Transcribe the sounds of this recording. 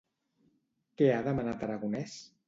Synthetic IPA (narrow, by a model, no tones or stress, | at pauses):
keaðəmənat̪əɾaɣunɛs